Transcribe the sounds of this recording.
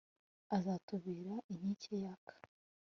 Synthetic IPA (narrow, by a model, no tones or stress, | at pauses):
azatuβiːɾaʔin̥icʰejakʰḁ